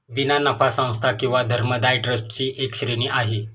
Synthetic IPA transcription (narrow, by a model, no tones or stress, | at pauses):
ʋinanəfasə̃w̃st̪ʰakĩw̃ʋad̪ʱəɾməd̪ajʈɾəst͡ɕiːʔekɕɾeɽ̃iʔaɦe